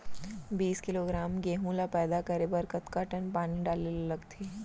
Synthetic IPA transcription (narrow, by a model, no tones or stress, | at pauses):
biːskɪloːɡɾaːmɡeːɦũlapɛːd̪akɐɾebəɾkɐt̪kaʈənpaːniɖaːlellɐɡt̪ʰeː